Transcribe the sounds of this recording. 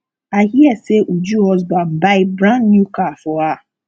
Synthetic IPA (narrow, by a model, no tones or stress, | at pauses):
ahiɛseʔud͡ʒuhɔzban̩baɪbɾãnːjukafɔa